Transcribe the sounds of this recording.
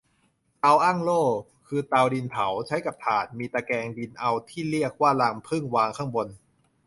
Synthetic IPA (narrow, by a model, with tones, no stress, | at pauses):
ʔa˧wʔa˥˩ŋloː˥˩ | kʰɯː˧t̪a˧wdi˧npʰa˩˦wt͡ɕʰa˦˥jka˨˩p̚t̪ʰaː˨˩t̪̚miː˧t̪aː˧kɛː˧ŋdi˧nʔa˧wt̪ʰiː˥˩li˥˩ək̚waː˥˩la˧mpʰɯ˥˩ŋwaː˧ŋkʰaː˥˩ŋbo˧n